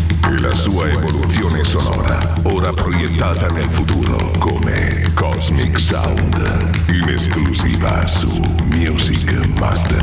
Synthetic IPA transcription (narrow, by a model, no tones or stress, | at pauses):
ela̰suːaevolut̪sːjoːnesonɔ̰ːɾa | oːɾapɾojet̪ːaːt̪anelfut̪uːɾo̰komḛ | kɔzmiksa̰nd̪ | ineskluzḭːva̰ | sṵ | mjuzik | ma̰st̪er